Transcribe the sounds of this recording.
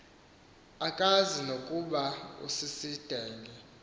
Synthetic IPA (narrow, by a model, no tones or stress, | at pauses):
akʼazinokʼuɓaṵsisid̥ʱɛːŋɡʱɛ